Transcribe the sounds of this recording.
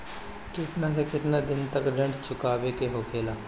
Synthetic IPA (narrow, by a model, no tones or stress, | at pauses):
kɪt̪naːs̬ekɪt̪naːd̪ɪnt̪əkɾəɳt͡ʃʰʊkaːʋeːkeɦoːkʰeːlaː